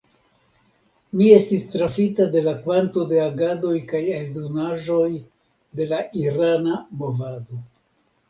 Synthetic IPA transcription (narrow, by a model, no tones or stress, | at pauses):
mie̞stistɾafitade̞lakvanto̞de̞aɡado̞jkajeldo̞naʒo̞j | de̞laʔiɾanamo̞vado̞